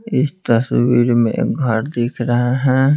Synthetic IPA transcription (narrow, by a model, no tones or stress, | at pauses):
ɪst̪ɐsʋiːɾmḛ̃kɡʱɐɾd̪eːkʰɾɐɦeɦɛ̃ː